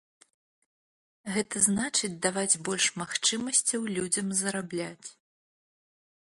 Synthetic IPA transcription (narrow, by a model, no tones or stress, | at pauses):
ɣɛt̪ɐznat͡ʂɨd͡zʲd̪avad͡zʲbɔlʲʂmaxt͡ʂɨmɐsʲt͡sʲɐwlʲud͡zʲɐmzɐɾablʲat͡sʲ